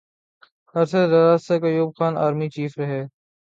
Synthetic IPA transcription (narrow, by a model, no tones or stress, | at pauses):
hɐɾsəɾaːɾaːssekəjuːb̚xaːna̰ːɾmiːt͡ʃiːfɾəɦeː